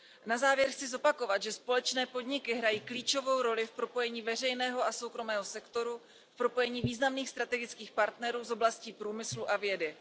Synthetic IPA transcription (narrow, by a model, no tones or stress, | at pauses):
nazaːvjɛɾxt͡sɪzo̞pako̞vat̪ʒɛspo̞lɛt͡ʃnɛːpo̞dɲɪkɪɦɾajiːkliːt͡ʃo̞vo̞wɾo̞lɪfpɾo̞po̞jɛɲiːvɛr̝ɛjnɛːɦo̞ʔaso̞wkɾo̞mɛːɦo̞sɛkt̪o̞ɾu | fpɾo̞po̞jɛɲiːviːznamniːxst̪ɾat̪ɛɡɪt͡skiːxpaɾt̪nɛɾuːzo̞blasciːpɾuːmɪsluʔavjɛdɪ